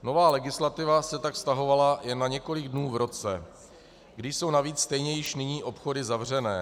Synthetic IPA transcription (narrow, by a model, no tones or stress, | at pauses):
no̞vaːlɛɡɪslat̪ɪvasɛt̪akst̪aɦo̞valajɛnːaɲɛko̞lɪɡdnuːvɾo̞t͡sɛ | ɡdɪʃso̞wnaviːt͡sst̪ɛjɲɛjɪʃnɪɲiːʔo̞pxo̞dɪzavr̝ɛnɛː